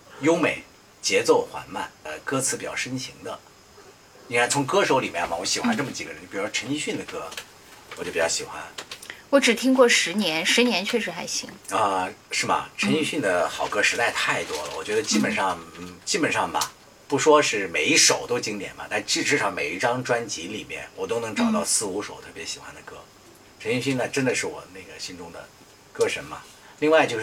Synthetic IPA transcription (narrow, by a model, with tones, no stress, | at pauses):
jo˥ʊme˨˩ɪ | t͡ɕjɛ˧˥t͡so˥˩ʊxwa̰˧˥nma̰˥˩nə̰˧˩kɤ˥t͡sʰɹ̩˧˥pi˨˩t͡ɕjɑ̰˥˩ʊʂə˥nɕi˧˥ŋd̪ə̰˧ | i˥ŋ˥˩t͡sʰʊ˧˥ŋkɤ˥ʂo˧˥ʊli˨˩mjɛ̰˧˥nmɐ̰˩wɔ˧˥ɕi˨˩xwa˥nʈ͡ʂɤ˥˩mə˩t͡ɕi˨˩ɡə˧ɻə˧˥pi˨˩ɻu˥˩ʈ͡ʂʰə˧˥ni˥˧ɕy˥˩nd̪ə˩kɤ˥ | wɔ˨˩t͡ɕjo˥˩pi˨˩t͡ɕɑ˥˩ʊɕi˨˩xwa̰˥nwɔ˧˥ʈ͡ʂɻ̩˨˩t̪ʰi˥ŋkwɔ˥˩ʂɻ̩˧˥njɛ˧˥nʂɻ̩˧˥njɛ˧˥nt͡ɕʰɥɛ˥˩ʂɻ̩˧˥xa˧˥ɪɕḭ˧˥ŋə˧ʂɻ̩˥˩mɐ̰˩ʈ͡ʂʰə˧˥ni˥˧ɕy˥˩nd̪ə˩xɑ˨˩ʊkɤ˥ʂɻ̩˧˥t̪a˥˧ɪt̪ʰa˥˩ɪt̪wɔ˥lə̰˩wɔ̰˨˩t͡ɕɥɛ˧˥d̪ə˧t͡ɕi˥pə˨˩nʂɑ˥˩ŋn̩˥˩t͡ɕi˥pə˨˩nʂɑ˥˩ŋmɐ̰˩ | pu˧˥ʂwɔ˥ʂɻ̩˥˩me˨˧˩ɪi˥˩ʂo˨˩ʊt̪o˥ʊt͡ɕi˥ŋt̪jɛ̰˨˩˦nbɐ̰˦t̪a˥˩ʈ͡ʂɻ̩˥˧ʈ͡ʂɻ̩˥˧ʂɑ˥˩ŋme˨˩ɪi˥˩ʈ͡ʂɑ˥ŋʈ͡ʂwa˥nt͡ɕi˧˥lḭ˨˩mjɛ̰˥˩nwɔ˨˩t̪o˥ʊnɤ˧˥ŋʈ͡ʂɑ˨˩ʊt̪ɑ˥˧ʊsɹ̩˥˩u˧˥ʂo˨˩ʊt̪ʰɤ˥˩pjɛ˧˥ɕi̥˨˩xwa˧˥nd̪ə˨˩kɤ˥˩ | ʈ͡ʂʰə˧˥ni˥˧˩ɕ̬y˥˩na˧ʈ͡ʂə˥nd̪ə˨ʂɻ̩˥˩wɔ̰˨˩˦na˥˩ɡə˩ɕi˥nʈ͡ʂʊ˥ŋd̪ə̰˨˩ | kɤ˥˩ʂə˧˥nmɐ̰˧ | li˥˧ŋwa˥˧ɪt͡ɕjo˥˧ʊʂ